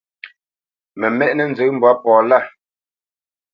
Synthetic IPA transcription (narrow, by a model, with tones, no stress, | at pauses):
mɛ˨mɛ˦ʔnə˨n̩˨zə˨˦m̩˨ba˦pɔː˨la˦˨